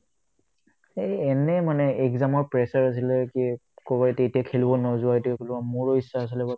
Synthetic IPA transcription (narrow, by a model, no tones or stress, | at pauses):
eɛnɛmanɛɛɡzamɔɹpɹɛsaɹas̬ilɛkikɔbaetetijakʰelbɔnɔzʊaetikʰelubɔmuɹoisːaːs̬ɔlɛbɔ